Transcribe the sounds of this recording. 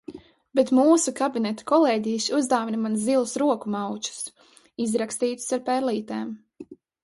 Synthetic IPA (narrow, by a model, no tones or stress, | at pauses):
bet̪muːsukabinɛt̪ḁkɔlˠeːɟijʃuzd̪aːvinimanzzilˠusɾuɔkumawt͡ʃu̥s | izɾakst̪iːt̪u̥saɾpɛɾliːt̪ɛːm